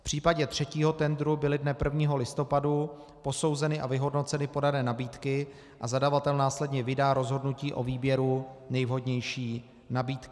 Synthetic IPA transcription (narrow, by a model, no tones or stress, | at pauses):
pr̝̥iːpaɟɛt̪r̝̥ɛciːɦo̞t̪ɛnd̪ɾubɪlɪdnɛpr̩vɲiːɦo̞lɪst̪o̞padu | po̞so̞wzɛnɪʔavɪɦo̞dno̞t͡sɛnɪpo̞danɛːnabiːt̪kɪ | ʔazadavat̪ɛlnaːslɛdɲɛvɪdaːɾo̞zɦo̞dnuciːʔo̞viːbjɛɾunɛjvɦo̞dɲɛjʃiː | nabiːt̪kɪ